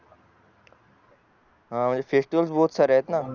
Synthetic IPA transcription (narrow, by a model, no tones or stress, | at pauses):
ɦãːmə̃d͡ʑefʰeːsʈiʋəlsbɔːt̪saɾɦet̪na